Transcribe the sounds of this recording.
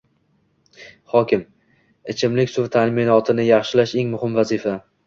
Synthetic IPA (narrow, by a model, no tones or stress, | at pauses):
χɒkʲɪm | ɪt͡ʃʰɪmlɪkʲsʊɾt̪ʰanmɪnɒt̪ʰɪnɪjɑχʃɪlaʃe̞ŋmʊhɪmvazifa